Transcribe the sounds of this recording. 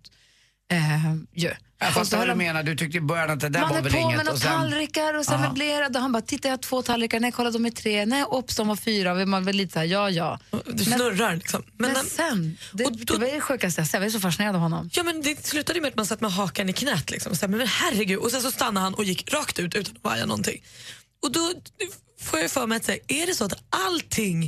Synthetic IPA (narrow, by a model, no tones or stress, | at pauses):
t̪ | ɛjʉ | fasd̪ad̪meːnaɖd̪ɵt̪ʰʏk̚t̪əbœɾjanat̪̚d̪ɛd̪æanɛvɛlp̪ʰɪːmɛnɔst̪alɾɪkaɾɔsɛnvɛbleːɾad̪ɔɦanbɑːt̪ʰɪt̪ːajat̪ʰv̥oːt̪ʰalɾɪkaɳɛjkʰɔlːad̪ɔmɪt̪ʰɾeːnɛjʔɔpːsɔmvafyːɾaɔɛmanvɛlːiːt̪ə̥sːɾjɑːjɑ̰ːd̪msɛnɵɾːaɾlɪksɔmːɛnsɛnd̪ɛɔd̪ɔɛvaɛɛɧʉ̟ːkast̪əjasɛːavaɛʂ̬ɔfaʂɪneːɾad̪avhɔnːɔ̰mjɑːmɛnd̪ɛslʉ̟ːt̪ad̪əjmeːɾat̪mansat̪ːmɛɦɑːkanɪkʰnɛːt̪lɪ̰ksɔ̰mɔsɑːmɛmɛnhærːɛɡʉ̟ːd̪ɔsɛnsɔst̪anːahanʔɔjɪkːɾɑːkt̪ʉ̟ːt̪ʉ̟ːt̪anɔva̰ɾja̰nɔ̰nt̪ʰɪ̰ŋː | ɔd̪ɔ | foːjajfœːɾmɛjat̪sɛʔæɖɛsɔat̪alt̪ʰɪŋ